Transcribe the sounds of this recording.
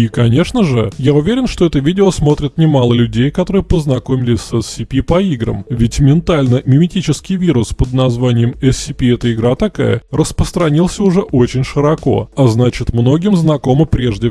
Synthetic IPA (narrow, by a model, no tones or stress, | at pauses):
ikɐnʲe̞ʂnəʐɨjaʊvʲeɾʲɪnʂt̪oɛt̪əvʲidʲɪosmo̞t̪ɾʲɪt̪nʲɪmalˠəlʲʉdʲejkɐt̪o̞ɾɨjəpəznɐkomʲɪlʲɪsʲsɛsːʲɪpʲipɐiɡɾə̰mvʲɪtʲmʲɪnt̪alʲnəmʲɪmʲɪtʲit͡ɕɪskʲɪjvʲiɾʊspəd̪nɐzvanʲɪjəmɛsːʲɪpʲiɛt̪əɪɡɾat̪ɐka̰jə̰rəspɾəst̪ɾɐnʲilˠsʲəʊʐɛʔo̞t͡ɕɪnʲʂɨɾɐko̞̰ɐznat͡ɕɪt̪mno̞ɡʲɪmznɐko̞mɨpɾʲeʐdʲɪ